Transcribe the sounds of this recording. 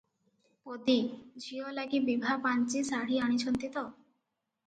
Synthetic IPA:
pod̪id͡ʑʱiolaɡibibʱapant͡ɕisaɽiaɽ̃it͡ɕʰɔnt̪it̪o

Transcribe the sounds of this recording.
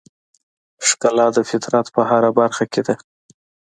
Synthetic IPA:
ʂkalɑd̪əfɪt̪ɾat̪pəɦaɾabaɾxaked̪a

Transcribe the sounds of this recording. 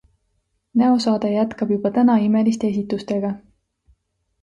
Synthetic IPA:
næo̞sɑːd̪̥ejæt̪kɑb̥jub̥ɑt̪ænɑime̞list̪ee̞s̬ʲit̪ːˑust̪e̞ɡ̥ɑ

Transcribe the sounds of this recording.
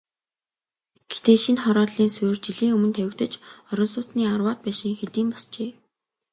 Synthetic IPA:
ɡ̥et̪eːʃinχɔɾɔːɮiːnsʊːrt͡ɕiɮiːŋɵmɵ̆nt̪ʰæwɪ̆kt̪ə̆t͡ɕɔɾɞ̆nsʊːtniːarwaːt̪̚pæːʃiːŋxet̪iːmpɔst͡ɕeː

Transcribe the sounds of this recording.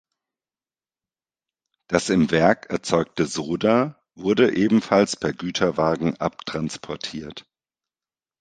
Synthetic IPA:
d̥asɪmvɛɐkɛɐt͡sɔʏk̚təzoːda | vʊɐdəʔeːbm̩falspʰɛɐɡyːtʰɐvaːɡŋ̩ʔa̰p̚tʁ̥anspʰɔɐtʰiːɐt

